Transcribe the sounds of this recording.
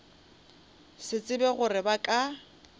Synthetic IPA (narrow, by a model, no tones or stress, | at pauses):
sɪt͡sʼɪbɛɣʊrɪbakʼa